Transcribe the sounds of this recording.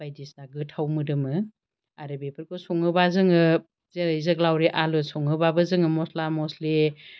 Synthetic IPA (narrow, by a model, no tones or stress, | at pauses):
bajdisnaɡɯtʰawmɯdɯmɯ | aɾɯbepʰɯɾkɔsɔŋɯbazɯŋɯ | zejzɯk̚lawɾeʔalɯsɔŋɯbabɯzɯŋɯmɔslamɔsle